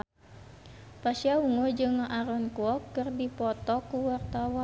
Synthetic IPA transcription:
pasiauŋɔd͡ʒɨŋaʔaɾɔnkuɔkːɨrdipɔt̪ɔkuwart̪awɔ

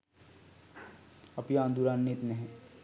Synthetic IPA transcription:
ɐpijãːnd̪uɾaːnːet̪neɦɛ̃

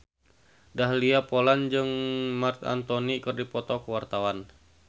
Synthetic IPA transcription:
daɦliapoland͡ʒɨŋmart̪a̰nt̪onikɨrdipɔt̪ɔkəwart̪awan

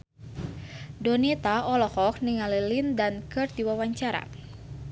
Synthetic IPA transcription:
dɔnit̪aɔlɔhɔk̚niŋalilindankɨrdiwawaɲt͡ʃaɾa̰

